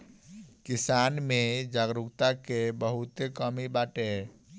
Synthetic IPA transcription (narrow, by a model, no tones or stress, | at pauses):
kisanmed͡ʒaɡɾukt̪akebəɦut̪ekəmibaʈe